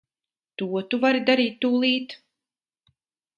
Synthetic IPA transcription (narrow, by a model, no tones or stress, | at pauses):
t̪uɔt̪uvaɾid̪aɾiːt̪ːuːlˠiːt̪